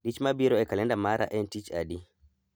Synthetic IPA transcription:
ɗit͡ʃmabiɾɔɛkalɛndamaɾa̰ʔɛntit͡ʃa̰di

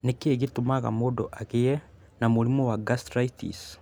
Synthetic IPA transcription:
nekeeɣitumaɣa̰modɔʔaɣeɛ | namoɾimɔwaɡastɾaitḭs

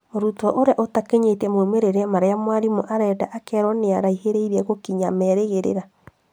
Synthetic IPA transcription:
oɾutɔʔoɾeaʔotakeɲetɛmwomeɾeɾeamaɾejamwaɾimɔʔaɾɛdaʔakɛɾwɔneaɾaiheɾeiɾiɛɣokiɲamɛɾeɣeɾḛɾa

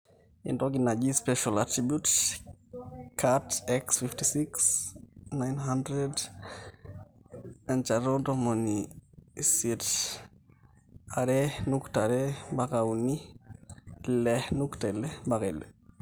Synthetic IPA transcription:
ḭndoɡinad͡ʒispɛʃalatɾibjut | kʰatɛksfiftisiksnajnɦandɾed | ant͡ʃaɾodomoni | sit | aɾɛnuktaɾɛbakawni | lɛnuktalɛbakelɛ

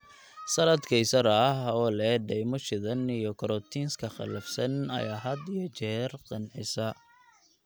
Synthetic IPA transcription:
sɐlɐd̪kʰɐjsɐɾɐɦɔːlɛːɖɛjmʊʃɪðɐnijɔkʰɔɾɔt̪ʰiːnskʰɐχɑ̰lɐfsɐnɐ̰jaːɦɐd̪ijɔt͡ʃɛːrqɑnʕɪsɐ

